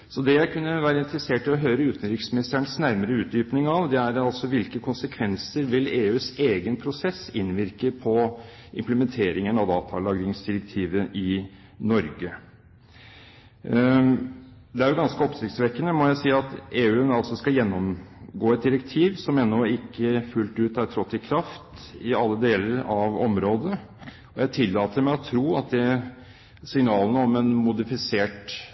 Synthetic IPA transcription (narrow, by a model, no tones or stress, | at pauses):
sɔd̪ɛjæɪkʰʉnːəʋæːɾəɪnt̪ɾəseːʈɪlɔɦœʏɾəʉːt̪ənɾɪksmɪnɪst̪æɳsnæɾməɾəʉːt̪̚d̪yːpnɪŋɑʋd̪ɛæɾɑlsɔʋɪlkəkʰʊnsəkʰʋɛnsəɾʋɪleːʉːseːɡənpʰɾʊsɛsːɪnʋɪɾkəpʰɔɪ̰mpləmɛnt̪ʰeːɾɪŋənɑʋd̪ɑ̰ːt̪ʰɑlɑːɡɾɪŋsd̪ɪɾɛk̚t̪ʰiːʋəʔɪ | nɔɾɡə | d̪ɛæɾjʊɡɑnskəɔpsɪkt̪sʋɛkːənəmɔjæɪsiːɑt̪eːʉːnɑlsɔskɑljɛnːɔmɡoːɛt̪̚d̪ɪɾɛk̚t̪ʰiːʋsɔmɛnːɔɪkːəfʉlt̪ʉːt̪æɾʈ̪ʰɾɔt̪ːɪkʰɾɑft̪ɪɑlːəd̪eːləɾɑʋɔmɾoːd̪ə | ɔjæɪt̪ʰɪlːɑːt̪əɾmæɪɔt̪ʰɾuːɑt̪̚d̪ɛ | sɪŋnɑːlənəɔmɛnmʊd̪ɪfɪseːʈ